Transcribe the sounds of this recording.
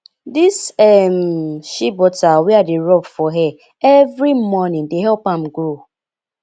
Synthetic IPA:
disɛm̩ʃibɔtawiadɪɾɔbfɔɦɛ | evɾimɔnɪ̃ŋdeɦɛpam̩ɡɾo

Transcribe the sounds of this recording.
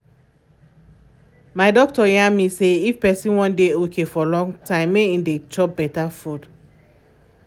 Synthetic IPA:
maɪdɔk̚tɔjãmiseifpɛsĩnwɔ̃ndeokʰefɔlɔ̃ŋtãɪ̃mːeĩndet͡ʃɔp̚bɛtafud

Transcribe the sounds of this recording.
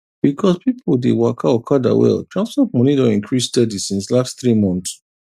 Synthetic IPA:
b̥ikʰɔspipʰoldewakʰaɔkʰada̰wɛ̰ltʰɹãnsfɔt̚mɔnidoĩŋkʰɹisdɛdisĩnslastθɹimɔ̃nts

